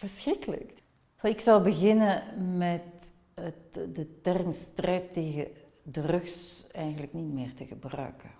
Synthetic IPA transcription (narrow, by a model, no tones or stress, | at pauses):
v̥ərsxrɪkələ̰k | vɑɪksɑwbəɣɪnəmɛt | ətdətɛrmstrɛjtːeːɣə | dərɵxsɛjɣənləknitmɪːrtəɣəbrœ̰ːkə